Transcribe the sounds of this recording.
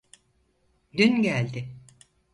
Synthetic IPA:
d̪ynɟælʲd̪ɪ

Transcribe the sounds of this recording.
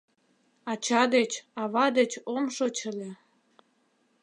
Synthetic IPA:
ɑt͡ɕɑd̪et͡ɕɑβɑd̪et͡ɕomʃot͡ɕə̆lʲĕ

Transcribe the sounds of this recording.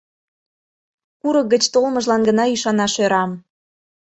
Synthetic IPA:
kuɾɤk̚ɡət͡ɕt̪olmɤʒlɑnɡənɑyʃɑnɑʃøɾɑm

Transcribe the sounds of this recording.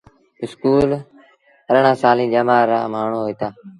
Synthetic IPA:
ɪskuːl | əɾəɳãːsaːlĩːd͡ʒəmaːɾã̰ːmaːɳ̤õːɦoiːt̪aː

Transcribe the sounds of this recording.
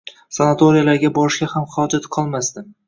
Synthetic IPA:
sanat̪ʰoɾijalaɾɡʲabɒɾɪʃkʲahamχɒd͡ʒat̪qʰɒlˠmasd̪ɪm

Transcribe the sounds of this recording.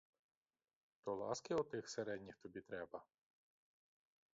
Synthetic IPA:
t̪ɔlˠɑ̰skɪɔt̪ɪxseɾɛd̪ʲnʲixt̪ɔbʲit̪ɾɛbɐ

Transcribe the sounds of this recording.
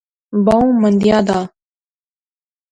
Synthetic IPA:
baũːmənd̪jaːd̪aː

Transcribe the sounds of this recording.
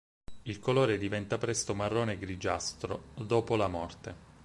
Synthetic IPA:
ilkoloːɾed̪ivɛnt̪apɾɛst̪omarːoːneɡɾid͡ʒast̪ɾod̪oːpolamɔrt̪e

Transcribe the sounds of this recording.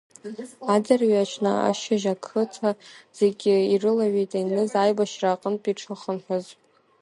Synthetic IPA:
ad͡zarɥat͡ʃʰna̰a̰ʃaʒakʰɨtʰaz̥e̞ɡʲɪirɨlaɥejtʼajnɨzajbaʃraːqʼənpʼiʈ͡ʂʰɨχəmħʷaz

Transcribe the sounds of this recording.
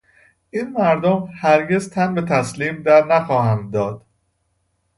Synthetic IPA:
ʔiːnmæɾd̪omhæɾɟe̞zt̪ʰænbe̞t̪ʰæsliːmd̪æɾnæxɒːhæmd̪ɒːd̪̥

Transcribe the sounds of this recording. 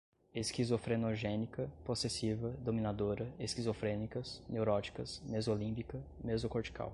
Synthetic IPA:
eskizofɾenoʒẽnikɐposesivɐd̪omĩnad̪oɾɐeskizofɾẽnikɐsnewɾɔt͡ʃi̥kɐsmezolĩpikɐmezʊkoɾt͡ʃi̥kʰa̰w

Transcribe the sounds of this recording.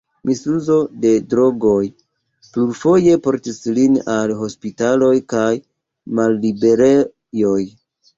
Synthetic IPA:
misuzo̞de̞dɾo̞ɡo̞j | pluɾfo̞je̞po̞ɾtislinalɦo̞spitalo̞jkaj | malːibe̞ɾe | jo̞j

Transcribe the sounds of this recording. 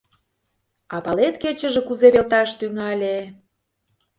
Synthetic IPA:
ɑpɑlet̪ket͡ɕə̆ʒĕkuzeβelt̪ɑʃt̪yŋɑlʲe

